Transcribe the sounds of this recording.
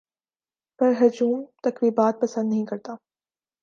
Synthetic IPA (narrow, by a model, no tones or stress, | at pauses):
pɐɾɦɐd͡ʒuːmt̪ɐkɾiːbaːt̪̚pɐsə̃nd̪nɐɦĩkɐɾt̪aː